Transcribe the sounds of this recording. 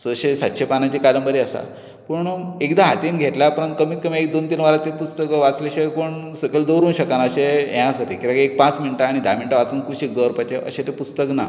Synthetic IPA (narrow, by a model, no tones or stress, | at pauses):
səɕesat̪ːɕʰepanat͡ɕikaɾəmbəɾiəsa̰ | pəɳekd̪aɦat̪iːnɡʱet̪lapəɾənt̪̚kəmiːt̪kəmiekd̪ont̪inʋaɾat̪epust̪əkəʋat͡sleɕekuɳ | səkʰəld̪əɾuːnɕəkanəɕeãsəɾekiɾaek̚pãt͡sminʈaːɽ̃id̪ʱa̰miɳʈaʋat͡suːnkuɕek̚d̪əɾpat͡ɕeʔə̰ɕet̪epust̪əkna̰